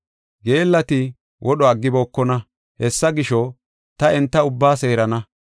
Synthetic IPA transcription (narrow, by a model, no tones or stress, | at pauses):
ɡeːlːɐt̪ɪ | wʔɔɗɔɐɡːɪboːkːɔnɐ | hɛsːɐɡɪʃɔ | t̪ɐɛnt̪ːɐʊbːaːse̞ːɾɐnɐ